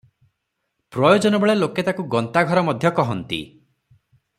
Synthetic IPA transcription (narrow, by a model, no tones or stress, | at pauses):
pɾɔjod͡ʒɔnɔbeɭeloket̪akuɡɔnt̪aɡʱɔɾɔmɔd̪ʱjɔkɔɦɔnt̪ḭ